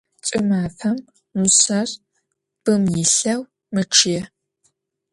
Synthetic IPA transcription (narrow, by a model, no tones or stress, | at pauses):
t͡sʼɪmaːfʰɐm | uɕɐr | b̥ɨmjɪɬɐw | mɨʈ͡ʂʰjɛ